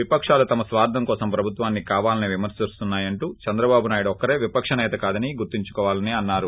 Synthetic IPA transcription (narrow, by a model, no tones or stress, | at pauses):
ʋipɐkʂaːlut̪ɐmɐsʋaːɾd̪ʱɐmkɔːsɐmpɾɐbʱut̪ʋaːnːikaːʋaːlɐniʋimɐɾsist̪unːaːjɐɳʈuːt͡ʃɐnd̪ɾɐbaːbunaːjuɽuɔkɐɾeːʋipɐkʂɐnɛːt̪ɐkaːd̪ɐniɡuɾt̪iɲt͡ʃukɔːʋaːlɐneːɐnːaːɾu